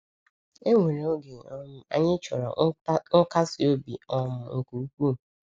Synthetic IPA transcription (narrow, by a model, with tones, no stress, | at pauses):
e˦ŋʷe˨ɾe˨o˦ɡe˨˦˨a̰˦ɲɪ˦t͡ʃɔ˨ɾɔ̰˨˦n̩˦ka˦si˨o˦bḭ˨ɔ˦mʊ˨ŋ̩˨ku˨u˦kʷu˦˨